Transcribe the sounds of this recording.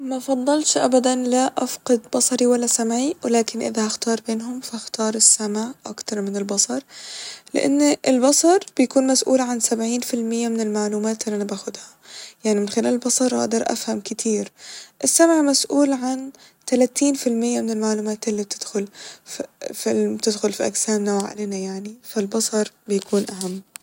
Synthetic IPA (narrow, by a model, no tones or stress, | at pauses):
mafɑðˤːɑlʃʔa̰bad̪anlaʔafqɑd̪bɑsˤɑɾiwalːasamʕiwɪlaːkɪnʔɪ̰ðahaxt̪ɑːɾˤbeːnɦʊmfaaxt̪ɑːɾˤɪsːamʕʔakt̪ɑɾˤmɪnɪlbɑsˤɑɾˤlɪ̰ʔa̰nːʔɪlbɑsˤɑɾˤb̥ɪjakuːnmasʔṵːlʕansabʕiːnfɪlmɪjːamɪnɪlmaʕluːmaːt̪ʔʔanːabaːxʊd̪hḁjaʕnimɪnxɪlaːlɪlbɑsˤɑɾˤʔa̰ʔd̪ɑɾˤʔa̰fhamkɪt̪ʰiːɾʔɪsːamʕmasʔuːlʕan | t̪alaːt̪iːnfɪlmɪjːamɪnɪlmaʕluːmaːt̪ʔɪlːib̚t̪ʰɪd̪̥xʊl | fibt̪ɪd̪xʊlfiʔa̰ɡsaːmnawʕa̰leːnajaʕnifalbɑsˤɑɾˤbɪjakʰuːnʔaɦamː